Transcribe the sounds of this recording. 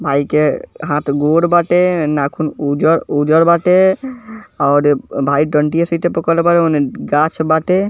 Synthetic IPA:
bʱaikeɦãt̪ʰɡoɽbaʈenakʰunud͡ʒəɾud͡ʒəɾbaʈe | ɔːɾbʱaiʈəɳʈijesət̪epəkəlebaʈeonɡat͡ʃʰbaːʈe

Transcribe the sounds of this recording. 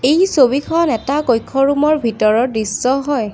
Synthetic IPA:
ejsobikʰɔnɛtakojkʰːɔɹumɔɹbʱitɔɹɔdɹisːɔɦɔj

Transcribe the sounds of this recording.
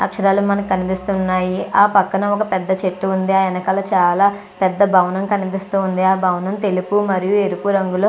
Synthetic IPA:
ɐ̰kʂɐɾaːlumɐnɐmkɐnipist̪unːaːjiʔaːpɐkːɐnɐmɔkɐpɛd̪ːɐt͡ʃeʈːuːnd̪iaːjɐnɐkɐlat͡ʃaːlaː | pɛd̪ːɐbʱɐwɐnɐmkɐnipist̪uːnd̪iaːbʱɐwɐnɐmt̪elipumɐɾijueɾupuɾɐŋɡuloː

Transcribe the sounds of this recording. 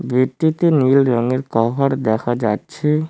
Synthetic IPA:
bit̪ːit̪enilɾəŋeɾkɔɦaɽd̪ɛkʰad͡ʒatːʃʰe

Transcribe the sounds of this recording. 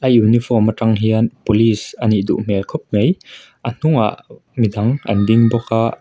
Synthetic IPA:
ʔɐjunifʰɔmataŋɦiɐnpolisɐniʔd̪ṵʔmɛlkʰɔp̚mej | ʔɐn̥uŋa̰ʔmid̪ɐŋʔɐ̰ndiŋbɔka

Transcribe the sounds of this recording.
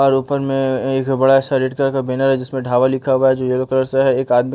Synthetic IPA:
ɔːɾuːpəɾmẽeːkbɐɽaɛːsaɾeːʈkəɾkabeːnəɾɦɛd͡ʒɪsmẽɖʱaːʋalɪkʰaɦaad͡ʒoːjeːɾokəɾəɾseɦɛeːkaːd̪mi

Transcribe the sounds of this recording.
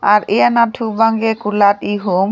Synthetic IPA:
aɾejanatʰubaŋɡekulat̪iɦum

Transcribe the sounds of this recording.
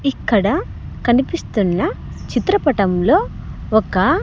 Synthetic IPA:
ikːɐɽɐ | kɐnipist̪unːɐ | t͡ʃit̪ɾɐpɐʈɐmlo̞ːɔkɐ

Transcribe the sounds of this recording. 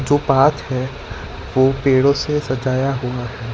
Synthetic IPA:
d͡ʒoːpaːt̪ʰɦɛ | ʋoːpeːɽõsesɐd͡ʒaːjaɦuaɦɛː

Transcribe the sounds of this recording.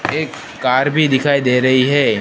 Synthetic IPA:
eːkː | aːɾbʱid̪ɪkʰaːid̪eːɾɐɦiɦɛː

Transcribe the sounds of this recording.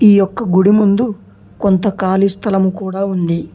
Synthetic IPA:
iːjɔkːɐɡuɽimund̪u | kont̪ɐkaːlist̪ʰɐlɐmukuːɽaːund̪i

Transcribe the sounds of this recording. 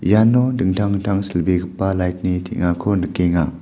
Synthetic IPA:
janɔdɯŋtʰaŋtʰaŋsilbeɡɯpːalajt̚nitʰḭʔŋakʰɔnɯkeŋa

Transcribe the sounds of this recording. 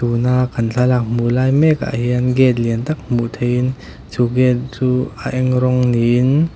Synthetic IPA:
t̪unakʰːɐnɬʰalak̚mulajmɛka̰ʔɦiənɡɛt̪̚liənt̪ak̚muʔt̪ʰejin | t͡suɡɛt̪̚t͡suaʔɛŋɾɔŋnin

